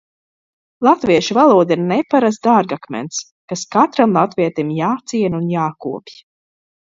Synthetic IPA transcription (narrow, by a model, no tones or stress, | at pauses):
lˠat̪viɛʃuvalˠuɔd̪aiɾnɛpaɾazd̪aɾɡakmɛ̰nt̪s | kaskat̪ɾamlˠat̪viɛt̪imjaːt̪siɛnunjaːkuɔpj